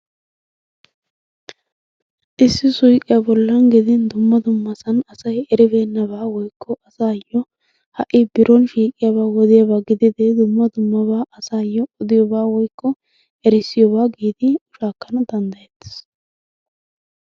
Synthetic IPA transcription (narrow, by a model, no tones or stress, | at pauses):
ʔɪsːɪsʊjkʼːɪjabɔlːɐnɡɪd̪ɪnd̪ʊmːɐd̪ʊmːɐsɐnɐsɐjɛɾɪbeːnːɐbaːwɔjkʰːɔʔɐsaːjːɔ | hɐʔɪbɪɾʔɔnʃiːkʼːɪjabaːwɔd̪ɪjabaːɡɪd̪ɪd̪ɛd̪ʊmːɐd̪ʊmːɐβaːʔɐsaːjːɔɔd̪ɪjɔbaːwɔjkːɔ | ɛɾɪsːɪjɔbaːɡiːd̪ɪʊʃaːkːɐnɐd̪ɐnd̪ɐjɛt̪ːɪ̥s